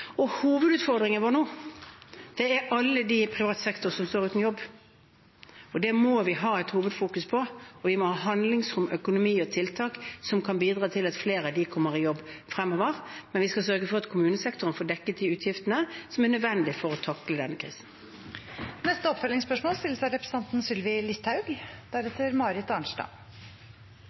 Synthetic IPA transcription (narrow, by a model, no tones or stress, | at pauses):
ɔhuːʋəd̪ʉːt̪fɔʁd̪ʁɪŋəəʋoːnuː | d̪̥ɛæʔɑlːəd̪ɪpʰʁɪʋɑːt̪sɛkt̪ʊʁsɔmst̪oːʁʉːt̪njɔbː | ɔd̪ɛmɔʋɪɦɑːæt̪huːʋəd̪fuːkʉspʰɔɔʋɪmɔhɑːɦɑnd̪lɪŋsɾʊmœkʊnʊmiːɔt̪ʰɪlt̪ʰɑːksɔmkʰɑnbiːd̪ʁɑːt̪ʰɪlɑt̪fleːɾɑd̪ɪkʰɔmːəʁɪjɔbːfɾɛmːoːʋəʁmɛnʋɪskɑs̬œɾɡəfɔʁɑt̪kʰʊmʉːnəsɛkt̪ʊʁənfoːd̪ɛkːət̪ɪʉːt̪ʰjɪft̪ənəsɔmænœd̪ʋɛnd̪ɪfɔʁɔt̪ʰɑkləd̪ɛnːəkʰɾḭːsən̩ | nɛst̪əɔpfœlɪŋspœʂmoːlst̪ɪlːəsæɪɾɛpɾsɑnt̪n̩sʏlʋɪlɪt̪hɑʉɡd̪̥æɾɛt̪ʰəɾmɑːɾɪt̪ːɑɳʂʈɑ̰ː